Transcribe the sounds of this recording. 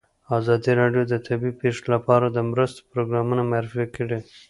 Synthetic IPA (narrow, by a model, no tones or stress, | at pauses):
ɑzɑd̪iɾɑɖjod̪ət̪ʰabipeʂelapɑɾad̪əmɾəst̪o̥pɾoɡɾɑmunamaɾɪfakəɽe